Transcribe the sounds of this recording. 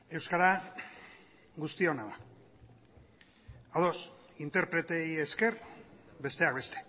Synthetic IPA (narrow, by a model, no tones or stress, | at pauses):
ewskaɾa | ɡust̪io̞naða | aðo̞s | int̪e̞ɾpɾe̞t̪e̞je̞ske̞ɾbe̞st̪e̞akbe̞st̪e̥